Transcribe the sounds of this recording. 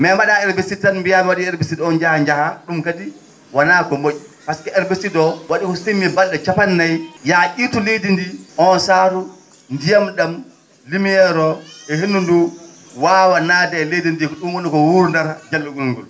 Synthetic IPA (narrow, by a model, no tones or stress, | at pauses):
mɛmaɗaɛɾbesitanmbijamɛwaɗiɛɾbesidɔɔnd͡ʒahaɲd͡ʒahaɗumkadi | wanakɔmoʔipaskɛɛɾbesidɔwaɗikɔsemibalɗɛt͡ʃapanːajjaʔitulejdindiʔɔnsaɾu | ndijamɗam | limijɛɾɔɛɦenːundu | wawanadaɛlejdindikɔɗumwɔnikɔwuɾndaɾd͡ʒalːuɡuŋɡɔl